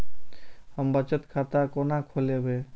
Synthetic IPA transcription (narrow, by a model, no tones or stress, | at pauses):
həmbət͡ʃət̪kʰat̪akonakʰolebeː